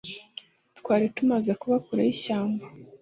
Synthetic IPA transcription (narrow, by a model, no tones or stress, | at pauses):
tkwaːɾitumazekuβakuɾaiɕaːmba